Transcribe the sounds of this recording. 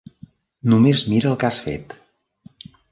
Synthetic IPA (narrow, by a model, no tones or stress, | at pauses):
numezmiɾəlˠkasfḛt̪